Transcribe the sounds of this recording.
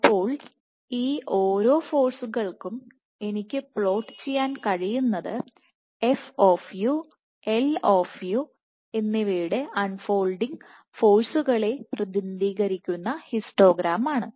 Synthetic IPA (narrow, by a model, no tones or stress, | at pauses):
pːo̞ːɭ | iːʔoːɾo̞ːfo̞ːrsuɣɐɭkum | e̞nikʲːɨpɭo̞ːʈːɨ̥t͡ɕe̞jːaːnkɐɻijunːɐðɨ | efoːfju | eloːfju | e̞nːeʋiːɽeʔɐnfo̞ːlɖiŋ | fo̞ːrsuɣɐɭe̞prɐd̪ind̪iːɣɐɾikʲːunːɐhisʈo̞ːɡɾaːmaːɳɨ